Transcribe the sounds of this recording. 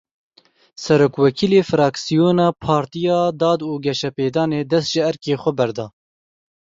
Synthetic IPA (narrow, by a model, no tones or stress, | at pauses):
sɛɾoːkwɛkʰiːleːfɾɑːksijoːnɑːpʰɑːɾt̪ijɑːd̪ɑːd̪uːɡɛʃɛpeːd̪ɑːneːd̪ɛst̪ʒɪɛɾkeːxʷɛbɛɾd̪ɑː